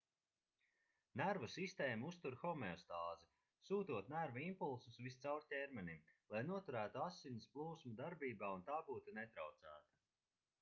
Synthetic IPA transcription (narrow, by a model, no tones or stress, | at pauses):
næɾvɐsist̪eːmust̪uɾxɔmɛɔst̪aːzi | suːt̪uɔt̪næɾvaimpulˠsusvist̪sawɾtʲɛːɾmɛnimlˠajnuɔt̪uɾæːt̪uasːinisplˠuːsmud̪aɾbiːbaːunt̪aːbuːt̪unɛt̪ɾawt̪sæ̰ːt̪ɐ